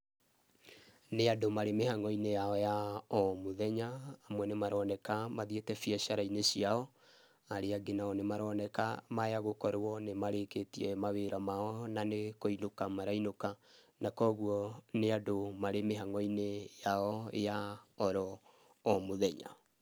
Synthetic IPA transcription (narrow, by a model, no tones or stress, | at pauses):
neadomaɾemehaŋɔinejaɔjaɔmoðɛɲaːmwɛnemaɾɔnɛkamaðetɛfiɛʃaɾainesiaɔ | aɾeaɡenaɔnemaɾɔnɛkamajaɣokɔɾwɔnemaɾeketiɛmaβeɾamaɔnanekoinokamaɾainoka | nakɔɣuɔneadomaɾemeɦaŋɔinejaɔjaɔɾɔ | ɔmoðɛɲa̰